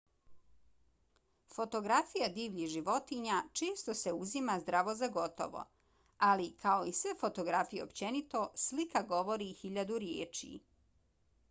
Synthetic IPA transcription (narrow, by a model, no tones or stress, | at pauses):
fo̞t̪o̞ɡɾafijad̪iːʋʎiʒiʋo̞t̪iɲat͡ʃe̞ːst̪o̞se̞uzimazd̪ɾaʋo̞zaɡo̞t̪o̰ʋo̰ | alikʰao̞isʋefo̞t̪o̞ɡɾafije̞opt͡ɕe̞nit̪o̞slikaɡo̞ʋo̞ɾixiʎad̪uɾjḛːt͡ʃḭ